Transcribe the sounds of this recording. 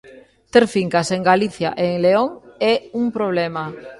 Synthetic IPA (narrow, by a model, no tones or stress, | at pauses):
t̪eɾfiŋkaseŋɡaliθja̰ʔeːŋleoŋɛuŋpɾoβ̞lema